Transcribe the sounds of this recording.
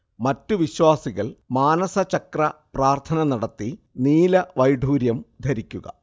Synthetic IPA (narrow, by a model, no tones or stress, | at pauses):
mɐtːuʋiɕwaːsiɣɐɭmaːnɐsɐt͡ɕɐkrɐpraːrt̪ʰɐnɐnɐɽɐt̪ːi | niːlɐʋɐjɖʱuːɾjɐmd̪ʱɐɾikʲːuɣɐ̰